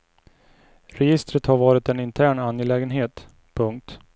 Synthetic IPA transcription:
ɾɛjɪst̪ɾət̪haɾvɑːɾɪt̪ɛnɪnt̪ʰæːɳanjɛlɛːɡənɦeːt̪ | pʰɵŋk̚t̪

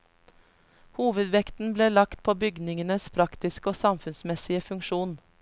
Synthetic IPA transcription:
huːʋəd̪ʋɛkt̪n̩bleːlɑkt̪̚pʰoːbʏɡnɪŋənəspʰɾɑkt̪ɪskoːsɑmfʉnsmɛsɪəfʉŋkʃuːn

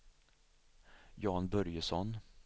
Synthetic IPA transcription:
jɑːnbœɾjəsɔn

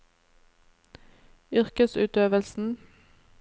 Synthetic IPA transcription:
ʏʁkəsʉːt̪øːʋəlsn̩

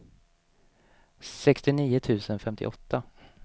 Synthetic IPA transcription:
sɛkst̪ɪniːʊt̪ʰʉ̟ːsənfɛmt̪ʰɪ̰ʔɔt̪ʰːa

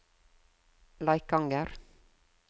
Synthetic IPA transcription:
lɑɪk̚ɡɑŋɡəɾ

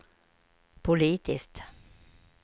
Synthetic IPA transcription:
pʰʊliːt̪ɪst̪

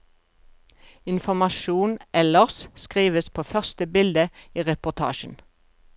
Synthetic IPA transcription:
ɪnfɔmɑʃuːnʔɛləʁsskʁiːʋəspʰoːfœʁst̪əbɪld̪əiːʁɛpʊt̪ʰɑ̰ːʃn̩

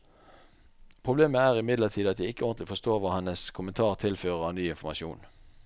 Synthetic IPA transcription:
pʰʁʊbleːməæːʁɪmɪd̪ləʁt̪ʰiːd̪ɑt̪d̪æɪɪkəɔʁnt̪lɪfɔst̪oːʁʋɑːhɛnəskʰʊmənt̪ʰɑːʁt̪ʰɪlføːʁəʁɑnyːɪnfɔmɑʃṵːn

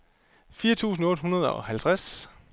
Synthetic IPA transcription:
fiːɐt͡sʰṵːsn̩ɔ̽ːd̥hɦunɐð̞ˠɒ̰hælt͡sʰʁas

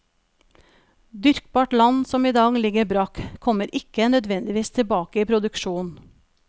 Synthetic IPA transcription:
d̪ʏɾk̚bɑːʈlɑnsɔmiːd̪ɑːɡlɪɡəbɾɑːkkʰɔməɾʔɪkənœd̪ʋɛnd̪ɪʋiːst̪ʰɪbɑːkəiːpʰɾʊd̪ʉkʃuːn

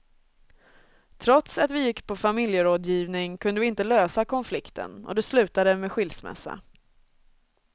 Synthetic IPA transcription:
t̪ʰɾɔt̪sat̪vɪjɪkːpʰɔfamɪljəɾoːd̪jiːvnɪŋkʰɵnd̪əvɪɪnt̪əløːsakʰɔnflɪkt̪ʰə̰nɔ̰d̪ɛslʉ̟ːt̪ad̪əmeɧɪlsmɛ̰sːa̰

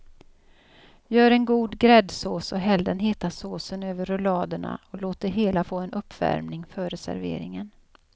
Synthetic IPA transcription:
jœːɾɛnɡuːd̪ɡɾɛd̪soːsɔɦɛld̪ənɦɪːt̪asoːsənøːvəɾʊlɑːd̪əɳa̰ɔloːt̪̚d̪ɛɦeːlafoːɛnʔɵpːvæ̰ɾmnɪŋfœɾɛsæ̰ɾvḛːɾɪŋən

